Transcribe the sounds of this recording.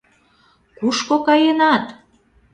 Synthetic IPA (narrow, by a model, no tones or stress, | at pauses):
kuʃkokɑjenɑt̪